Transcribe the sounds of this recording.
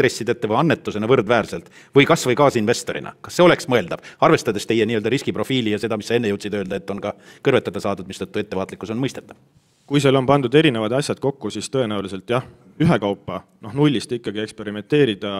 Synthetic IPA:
ɾe̞sːid̪et̪ːevəɑnːe̞t̪ːˑuse̞nɑvɤrd̪væːrse̞lt̪ˑ | vɤjkɑsvɤjkɑːsinve̞st̪o̞̰ɾḭnʔɑ̰kɑsːe̞ole̞ksmɤe̞ld̪ɑvɑrve̞st̪ɑd̪e̞st̪e̞je̞niːøld̪ɑɾiskipro̞fiːlijɑse̞d̪̥ɑmisːɑe̞nːejut̪sid̪øːld̪ɑet̪ːˑo̞nɡɑkɤrve̞t̪ːˑɑd̪̥ɑsɑːd̪ud̪̥mist̪ɤt̪ːue̞t̪ːe̞vɑːt̪likːˑuso̞nmɤjst̪e̞t̪ːˑɑv̥ | kujselo̞npɑnd̪̥ud̪e̞ɾine̞vɑd̪ɑsʲjɑd̪̥ko̞kːusist̪ɤ̞e̞næulise̞lt̪ˑjɑ | yɦekɑwpːɑno̞hnulʲːist̪ikːɑɡ̥ie̞kspe̞ɾime̞nt̪ːe̞ːɾid̪̥ɑ

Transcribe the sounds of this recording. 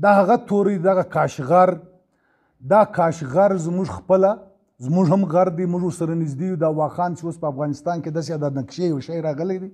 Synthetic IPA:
d̪ahaɣat̪ʰoɾəjd̪aɣakɑʃɣaɾ | d̪ɑkɑʃɣaɾzmuʐxpəla | zmuʐhamɣaɾd̪imuʐwoɾsaɾanɪzd̪ejud̪ɑwɑxɑnt͡ʃeospəafɣɑnɪst̪ɑnked̪as̬ejad̪anakʃejawʃajɾɑɣəled̪i

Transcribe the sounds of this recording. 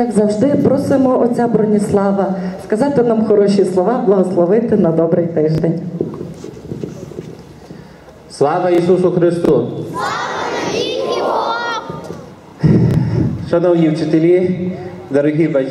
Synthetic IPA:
jɐɡzɐwʒd̪ɪpɾɔsʊjemɔʔɔt͡sʲabɾɔnʲislˠɑʋɐskɐzɑt̪ɪnɑmxɔɾɔʃislˠɔʋɑblˠɐɦɔslˠɔʋɪt̪ɪnɐd̪ɔbɾɪjt̪ɪʒd̪enʲ | slˠɑʋɐisusʊxɾɪst̪u | ʃɐnɔwnʲiwt͡ʃɪt̪elʲi | d̪ɔɾɔɦʲibɐ

